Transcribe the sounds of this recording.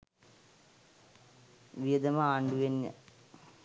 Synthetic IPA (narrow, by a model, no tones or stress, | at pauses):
ʋijɐd̪ɐmɐaːɳɖuʋenːɐ̰